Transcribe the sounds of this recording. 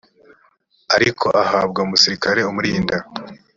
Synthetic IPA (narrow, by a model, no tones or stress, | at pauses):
aɾikʰo̞ʔahabɡamusiɾikaɾe̞umuɾiːnda